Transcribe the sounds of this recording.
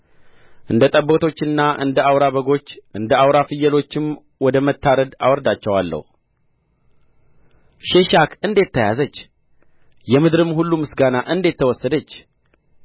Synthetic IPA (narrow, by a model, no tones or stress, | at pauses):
ʔɨnd̪ət̪ʼəbːo̞t̪ʰo̞t͡ʃːɨnːaʔɨ̰nd̪əawɾaβəɡo̞t͡ʃːʔɨnd̪əawɾafɨjːəlo̞t͡ʃːɪm | wɔd̪əmət̪ːaɾəd̪a̰wɔɾd̪at͡ʃːɛwalːə̰hu | ʃeʃakʰɨnd̪et̪ʰːəja̰zət͡ʃː | jɛmɨd̪ɾɨmhulːumɨsɡanaʔɨnd̪e̞t̪ʰːəwɔsːəd̪ət͡ʃː